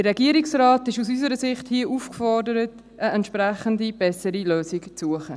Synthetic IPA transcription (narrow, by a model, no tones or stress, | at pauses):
dərɛɡiəɾiksraːtɪʃusys̬əɾəsɪχthiəʔufkfɔrdəɾət | ʔəɛntʃpræχəndib̥ɛsəɾiløːsɪkt͡suəχə